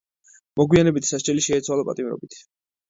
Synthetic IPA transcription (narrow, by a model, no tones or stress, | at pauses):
mɔɡwianɛbit̪ʰsaʃt͡ʃʼɛliʃɛːt̪sʰwalˠapʼat̪ʼimɾɔ̰bit̪ʰ